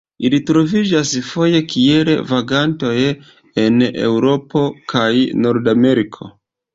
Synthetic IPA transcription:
ilitɾo̞vid͡ʒasfo̞je̞kielḛvaɡanto̞j | e̞ne̞̰wɾo̞po̞kʰajno̞ɾdame̞ɾikʰo̞̰

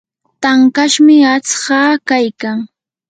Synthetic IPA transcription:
t̪aŋkaʃmɪat͡sɢɑːkajkaŋ

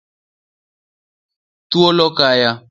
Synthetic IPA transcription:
tuolɔkaja

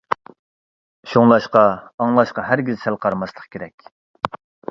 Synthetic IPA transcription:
ʃoŋlˠɑʃqɑɑŋlˠɑʃqɑɦæɾɡʲizsælˠqʰɑɾmɑslˠəχkʲʰeɾɛkʲ

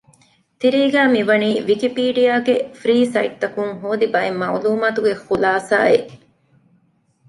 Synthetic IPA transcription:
t̪iɾiːɡæːmiʋɐniːʋikipiːɖijaːɡefɾiːsɐiʈ̚t̪ɐkuŋɦoːd̪ibɐemːɐ̰uluːmaːt̪uɡexulaːsa̰ːeʔ

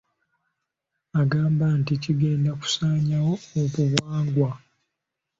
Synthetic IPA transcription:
aɡaːmbanticiɡe̞ːndaku̥saːɲawooβuβwaːŋɡwa

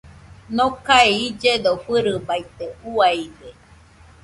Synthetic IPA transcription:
nõkaeid͡ʒed̪oɸɨɾɯbait̪euaide

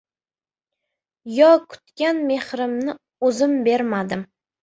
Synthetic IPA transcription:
jɒkʰʊ̥t̪kʲanme̞hɾɪmnɪ | ɵzɪmbe̞ɾmad̪ɪm

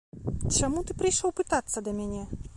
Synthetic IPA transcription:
t͡ʃamut̪ɨpɾɨjʂɔwpɨt̪at̪sːɐd̪ɐmʲanʲɛ

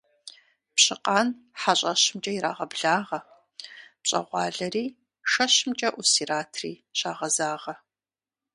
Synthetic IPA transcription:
pɕɪqʼaːn | ħaɕʼɐɕmt͡ʃʼɐiɾaːʁɐbɮaːʁɐ | pɕʼɐ̰ʁʷɑːɮɐriː | ʂɐɕmt͡ʃʼɐʔusiːɾaːtʰriːɕaːʁɐzaːʁɐ

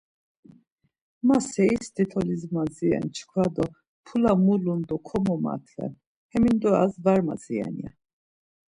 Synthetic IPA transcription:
masɛisd̪it̪ʰɔlizmaziɛ̰nt͡ʃʰkʰwad̪ɔ | pʰulamulund̪ɔkʰɔmɔma̰t̪ʰlɛ̰n | hɛmind̪ɔa̰zvaɾma̰ziɛ̰nia̰

